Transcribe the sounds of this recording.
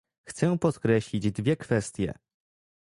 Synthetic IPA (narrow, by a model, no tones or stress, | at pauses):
xt̪sɛpɔt̪kɾɛɕlʲid͡ʑd̪vʲjɛkfɛst̪ʲjɛ̰